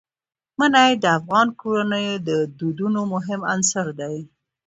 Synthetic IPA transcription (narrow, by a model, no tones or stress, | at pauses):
manajd̪əafɣɑnkoɾanəjd̪əd̪ud̪unomʊɦɪmansaɾd̪aj